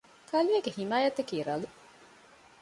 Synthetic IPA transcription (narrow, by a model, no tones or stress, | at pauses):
kʰɐlieɡehimaːjɐt̪ːɐkiːɾɐlu